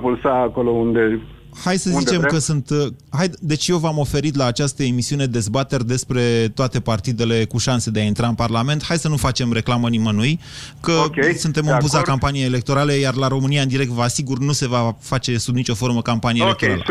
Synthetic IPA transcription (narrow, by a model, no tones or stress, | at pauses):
pulsaːkolo̞und̪e̞ | hajsəzit͡ʃe̞mmkəsunt̪hajd̪e̞t͡ʃjewvamo̞fe̞ɾit̪laːt͡ʃast̪əe̞misiune̞d̪e̞zbat̪e̞rʲd̪e̞spɾe̞t̪oat̪e̞part̪id̪e̞le̞kuʃanse̞d̪e̞aint̪ɾaɨnparlame̞nt̪hajsənufat͡ʃe̞mɾe̞klamənimənuj | kəsunt̪e̞mɨnpuzakampanijejele̞k̚t̪o̞ɾalejarlaɾo̞mɨnijaɨnd̪iɾe̞k̚t̪vasiɡurnuse̞vafat͡ʃe̞subnit͡ʃo̞fo̞rməkampanieelekt̪oɾalə̰